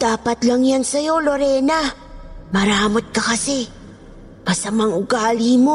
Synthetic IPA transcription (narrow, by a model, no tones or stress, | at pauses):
d̪̥aːpɐt̪lɐŋjansɐjo̞loɾɛːna | mɐɾaːmot̪̚kɐkɐsɛ | mɐsɐmaŋʊɡaːlɪmo